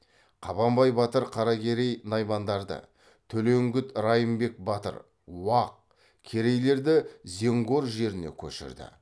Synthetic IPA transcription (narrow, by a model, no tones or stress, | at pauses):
qʰɑbɑmbɑjbɑt̪əɾqʰɑɾɑkʲe̞ɾe̞jnɑjmɑnd̪ɑɾd̪ə̰ | t̪ʰɵle̞ŋɡʲɪt̪ɾɑjəmbe̞k̚bɑt̪ə̰ɾ | wɑq̚ | kʲʰe̞ɾe̞jle̞ɾd̪ɪze̞ŋɡʲoɾʒe̞ɾɪnḛkʲʰɵ̰ʃɪ̰ɾd̪ɪ̰